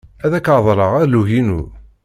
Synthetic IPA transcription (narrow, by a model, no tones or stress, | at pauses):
æðækaðˤɾˤəʁæɾluʝinṵ